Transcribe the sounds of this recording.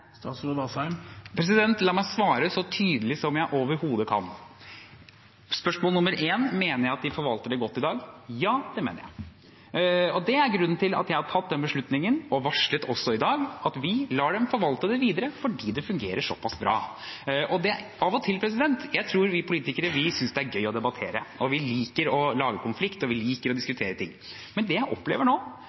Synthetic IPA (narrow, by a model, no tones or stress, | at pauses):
st̪ɑːt̪sɾud̪ɑsɑɪmpʰɾɛs̬ɪd̪ɛnt̪lɑːmæɪsʋɑːɾəsɔt̪ʰyːd̪əlɪsɔmjæɪʔoːʋəɾhuːd̪əkʰɑ̰n | spœʂmoːlənʊmːəɾʔeːnmeːnəɾjæɪɑt̪̚d̪ɪfɔɾʋɑlt̪əɖɛɡɔt̪ːɪd̪ɑːɡjɑːd̪̥ɛmḛːnəɾjæ̰ɪ | ɔd̪ɛæɾɡɾʉnːn̩t̪ɪlɑ̰t̪jæɪhɑɾt̪ʰɑt̪̚d̪ɛnbəʂɭʉt̪nɪŋənɔʋɑʂɭət̪ɔsɔɪd̪ɑːɡɑt̪ʋɪlɑːɖɛmfɔɾʋɑlt̪əd̪ɛʋiːd̪əɾəfɔɖiːd̪ɛfʉŋɡḛːɾəʂɔ̰pʰɑsbɾɑ̰ː | ʔɔd̪ɛ | ɑʋɔt̪ʰɪlpʰɾɛs̬ɪd̪ɛnt̪jæɪt̪ʰɾuːɾʋɪpʰʊliːt̪ɪkəɾəʋɪsʏnsd̪ɛæɾɡœʏɔd̪ɛbɑt̪ʰeːɾə̰ɔʋɪliːkəɾɔlɑːɡəkʰʊnflɪkt̪ɔʋɪliːkəɾɔd̪ɪskʉt̪ʰeːɾət̪ʰɪ̰ŋː | mɛnd̪ɛjæɪʔɔpːlḛːʋəɳoː